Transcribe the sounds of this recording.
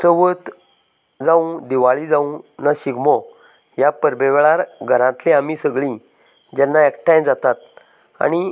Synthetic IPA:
səʋət̪ | d͡zãũd̪iʋaɭid͡zaũnaɕiɡmɔ | japəɾbeʋɭaɾɡʱəɾãt̪lẽamisəɡɭĩ | d͡ʑɛnːaɛkʈajd͡zat̪at̪̚ | a̰ñi

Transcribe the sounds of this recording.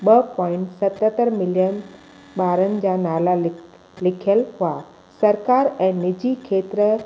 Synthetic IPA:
ɓɐpɔ̃ːɪ̃ɳʈsɐt̪ət̪əɾmɪljən | ɓaːɾənɪ̆d͡ʑaːnaːla | lɪkʰjəlhʊa | sɐɾkaːɾɛ̃ːnɪd͡ʑikʰeːt̪ɾ

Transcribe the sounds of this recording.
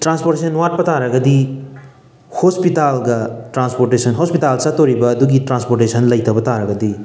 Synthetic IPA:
ʈɾanspoɾʈesʰʌnwaʈ̚pɐt̪aɾɐɡɐd̪i | hospit̪alɡaʈɾanspoɾʈesʌnɦospit̪alt͡sat̪oɾibɐd̪uɡiʈɾanspoɾʈesʰɐnlɐjt̪ɐpɐt̪aɾɐɡʌd̪i

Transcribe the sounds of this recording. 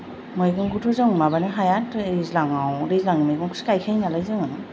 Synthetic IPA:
mɯjɡɯŋɡutʰɔzɯŋmabanɯɦajatzlaŋawɾezlaŋimajɡɯŋkʰusi̥kajkʰajnalajzɯŋɯ

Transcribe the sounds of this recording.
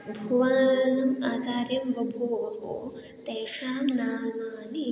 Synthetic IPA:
bʱuʋaːnɐmaːt͡ʃaːɾjɐmʋɐbʱuːɐɦo̰ː | t̪eːʂaːmnaːlmaːni

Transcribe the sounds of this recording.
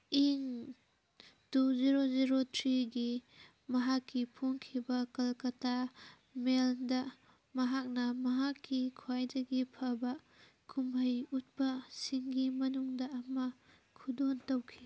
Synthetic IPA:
iŋ | tuziɾoziɾotʰɾiɡi | mɐɦakːipʰoŋkʰibɐkɐlkɐta | meldɐ | mɐɦak̚nɐmɐɦakːikʰwajdɐɡipʰɐbɐ | kʰumbɐjut̚pɐsiŋɡimɐnuŋdɐːmɐ | kʰudontɐwkʰi

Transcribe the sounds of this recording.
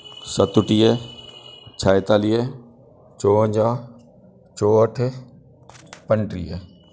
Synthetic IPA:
sət̪ʊʈije | t͡ʃʰaːjt̪aːlije | t͡ʃoːə̃d͡ʒaː | t͡ʃoːəʈʰ | pəɳʈɾijḛ

